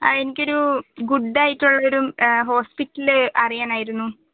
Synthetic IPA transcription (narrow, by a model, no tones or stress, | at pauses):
ɐ̰e̞nikʲːo̞ɾuɡuɖːaːjiʈːuɭːɐoɾumɦo̞ːspitːɐlɨʔɐrijaːnaːjiɾunːu